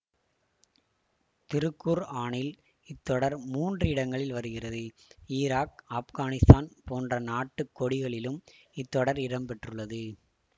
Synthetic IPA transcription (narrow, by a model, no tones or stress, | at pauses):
t̪ɪɾɯkːuːɾaːɳɪl | ɪt̪ːɔɽɐɾmuːndrɪɽɐŋɡɐɭɪlʋɐɾɯɣɪrɐðɯ | iːɾaːk̚ɐːpɣaːnɪst̪aːnpoːndrɐnaːʈːɯkːɔɽɪɣɐɭɪlɯm | ɪt̪ːɔɽɐɾɪɾɐmpɛʈrɯɭːɐðɯ